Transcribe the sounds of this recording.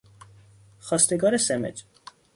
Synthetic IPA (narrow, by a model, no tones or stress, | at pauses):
χɑst̪ɛɡɑɾɛsɛmɛ̰t͡ʃ